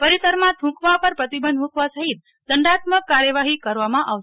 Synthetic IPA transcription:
pəɾisəɾmãt̪ʰũkʋapəɾpɾət̪ibənd̪mũkʋasəɦit̪̚ | d̪əɳɖat̪̚məkːaɾjəʋaɦikəɾʋamãʔaʋe

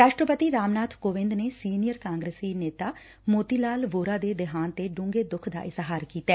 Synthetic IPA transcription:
ɾaːʃʈɾəpət̪iːɾaːmnaːt̪ʰkoːʋɪ̃nd̪neːsiːnijəɾkãːŋɡɾesiːneːt̪aː | moːt̪iːlaːlʋoːɾaːd̪eːd̪ɪɦaːnt̪eːɖʊ̃ŋɡeːd̪ʊkʰd̪a̰ːʔɪzɦaːɾkiːt̪aː

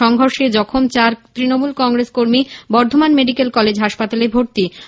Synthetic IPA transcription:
ɔŋɡʱoɾʃed͡ʑɔkʰomt͡ɕaɾt̪ɾinomulkɔŋɾeskoɾmibɔɾd̪ʱomanmeɖikelkɔled͡ʑɦaʃpat̪alebʱoɾt̪i

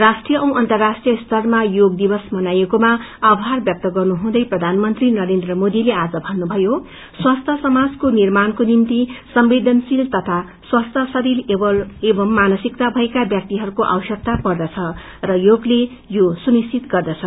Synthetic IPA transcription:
rasʈrijʌʔʌw̃ʔʌnt̪ʌrːasʈrijʌst̪ʰʌrmajoɡd̪ibʌsmʌnajekomaːbʱɦarbjʌk̚t̪ʌɡʌrnuɦũd̪ʌjprʌd̪ʱanmʌnt̪rinʌɾend̪rʌmod̪ilead͡zʌbʱʌnːubʱʌjo | swast̪ʰʌsʌmad͡zkonirmankonimt̪isʌmbed̪ʱʌnsilt̪ʌt̪ʰa | swast̪ʰʌsʌɾilbʌebʌmːanʌsikt̪abʱʌekabjʌk̚t̪iɦʌɾukoʔa̰wʌsjʌk̚t̪apʌrd̪ʌt͡sʰʌ | rʌjoɡle | josunist͡ʃʰit̪ɡʌrd̪ʌt͡sʰʌ

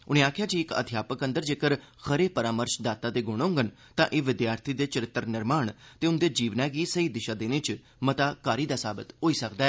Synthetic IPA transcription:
ʊnẽːaːkʰjaːd͡ʒiɪkə̰d̪ʱjaːpəkənd̪əɾd͡ʒeːkəɾ | xʰəɾeːpəɾaːməɾʃd̪aːt̪aːd̪eːɡʊɽ̃õʊ̃ːŋɡən | t̪ãːʔeːʋɪd̪jaːɾt̪ʰiːd̪eːt͡ʃəɾɪt̪ːəɾnɪɾmaːɳt̪eːʊnd̪eːd͡ʒiːʋnãːɡiːsəiːd̪ɪʃaːd̪eːnẽːt͡ʃ | mət̪aːkaːɾiːd̪aːsaːbɪt̪ɦoːiːsəkd̪aɛː

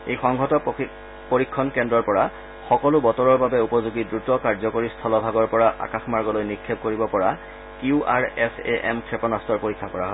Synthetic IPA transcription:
ejxɔŋɡʱɔtɔ | poɹikʰːɔnkɛndɹɔɹpɔɹa | xɔkɔlʊbɔtɔɹɔɹbabɛupɔzuɡidɹutɔkaɹzɔkoɹist̪ʰɔlɔbʱaɡɔɹpɔɹaʔa̰kaxmaɹɡɔlojnikʰːeb̚koɹibɔpɔɹa | kiuʔa̰ɹɛsḛʔɛ̰mkʰɹepɔnastɔɹpoɹikʰːakɔɹaɦɔ

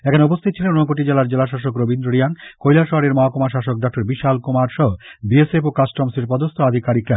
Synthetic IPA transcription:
ɛkʰaneup̬ost̪ʰit̪̚t͡ɕʰilenonokoʈid͡ʑelaɾd͡ʑelaʃ̬aʃokɾobind̪ɾoɾiankojlaʃɔɦaɽeɾmɔɦakomaʃ̬aʃok̚ɖɔk̚ʈoɾbiʃalkomaɾʃɔɦobiesefokasʈɔmseɾpɔd̪ost̪ʰoad̪ʱikaɾikɾa

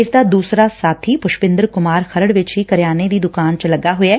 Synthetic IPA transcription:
ɪsd̪aːd̪uːsɾaːsaːt̪ʰiːpʊʃbɪ̃nd̪əɾkʊmaːɾxʰəɾəɽʋɪt͡ʃɦiːkəɾjaːned̪iːd̪ʊkaːnt͡ʃələɡaːɦʊaː

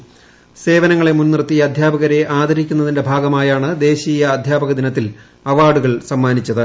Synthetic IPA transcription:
se̞ːʋɐnɐŋːɐɭe̞munːirt̪ːijɐɐd̪ʱjaːbɐɣɐɾe̞ʔaːd̪ɐɾikʲːunːɐðinde̞bʱaːɡɐmaːjaːɳɨd̪e̞ːɕiːjɐːd̪ʱjaːbɐɣɐd̪inɐt̪ːil | ɐʋaːɖuɣɐɭsɐmːaːnit͡ɕːɐðɨ

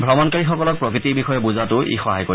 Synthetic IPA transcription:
bʱɹɔmɔnkaɹixɔkɔlɔk̚pɹɔkɹitibixɔjɛbuzatʊʔḭxɔɦa̰jko

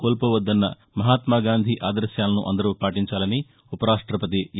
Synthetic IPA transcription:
koːlpɐʋɐd̪ːɐnːɐ̰ | mɐɦaːt̪maːɡaːnd̪ʱiʔaːd̪ɐɾʃjaːlɐnṵʔɐ̰nd̪ɐɾuːpaːʈiɲt͡ʃaːlɐni | upɐɾaːʂʈɾɐpɐt̪̬i

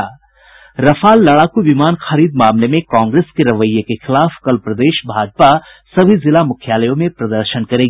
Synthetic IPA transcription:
ɾɐfʰaːlːɐɭaːkuʋɪmaːnxɐɾiːd̪maːmlemẽkãːŋɡɾeːskeɾɐʋəjːəkexɪlaːfkɐlpɾɐd̪eːʃbʱaːd͡ʒpa | sɐbʱizɪlamʊkʰjaːləjõmẽpɾɐd̪əɾʃənkɐɾeːɡ

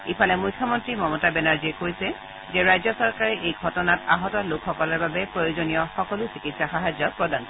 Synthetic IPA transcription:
ipʰalɛmujkʰjɔmɔntɹimɔmɔtabɛnaɹziɛkoɹisɛ | zɛɹajzɔsɔɹkaɹiʔejɡʱɔtɔnataɦɔtɔlʊkʰxɔkɔlɔɹbabɛpɹojozonijɔxɔkɔlʊsikitsaxaɦazjɔpɹɔdan

